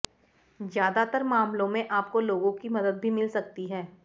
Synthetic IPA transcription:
zjaːd̪at̪əɾmaːmlõmẽʔaːp̚koloːɡõkimɐd̪əd̪̚bʱimɪlsɐk̚t̪iɦɛː

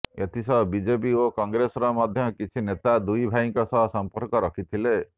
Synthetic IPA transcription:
et̪ʰisɔɦɔbid͡ʒep̬iokɔŋɡɾesɔɾɔmɔd̪ʱjɔkit͡ʃʰinet̪ad̪ujbʱajŋkɔsɔɦɔsɔmpɔɾkɔɾɔkʰit̪ʰile

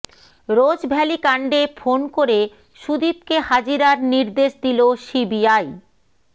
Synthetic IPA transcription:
ɾod͡ʑbʱɛlikaɳɖefʰonkoɾe | ʃud̪ip̚kehad͡ʑiɾaɾniɾd̪eʃd̪iloʃibiaj

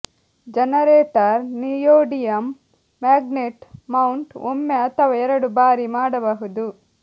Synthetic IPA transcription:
d͡ʒɐnɐɾeːʈɐɾnijoːɖijɐmː | aːɡneʈmɐwuɳʈomːeɐt̪ʰɐʋɐɛɾɐɽubaːɾimaːɽɐbɐɦud̪u

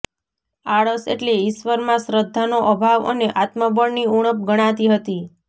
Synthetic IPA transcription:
aɭəsḛʈleɪʃʋəɾmãsɾəd̪ʱːanoʔəbʱaʋə̰neʔat̪məbəɳniuɽ̃əp̚ɡəɽ̃ãt̪iɦət̪i

